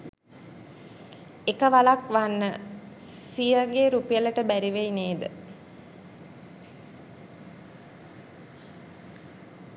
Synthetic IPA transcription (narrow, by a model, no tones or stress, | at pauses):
ekəʋalakʋanːə | sijəɡeɾupijələʈəbæɾiʋejneːd̪ə